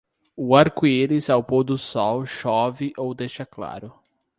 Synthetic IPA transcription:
ʊaɾkueɾɪzawpod̪ʊsɔwʃɔvɪʔowd̪ejʃɐkla̰ɾʊ

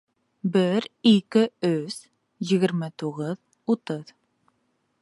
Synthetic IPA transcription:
bɪɾikɪɵz̥ | jĭɣɘ̆ɾmɘt̪uʁəð | ut̪ɤð

